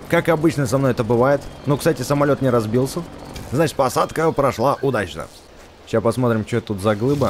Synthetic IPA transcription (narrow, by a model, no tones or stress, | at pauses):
kakɐbɨt͡ɕnəəsɐmnojɛt̪əbɨvajɪt̪nokst̪atʲɪsəmɐlʲo̞t̪nʲɪɾɐzbʲilˠsʲəznat͡ɕɪt̪̚ʲpɐsat̪kəpɾɐʂlˠaʔʊd̪at͡ɕnə̰ | ɕaspɐsmo̞t̪ɾʲɪmt͡ɕot̪t̪ut̪zɐɡlˠɨbə